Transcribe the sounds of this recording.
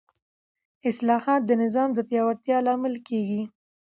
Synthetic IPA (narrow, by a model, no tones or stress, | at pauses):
ɪslɑhɑt̪̚d̪ənɪzɑmd̪əpjɑwaɾt̪jɑlɑmɪlkeɡi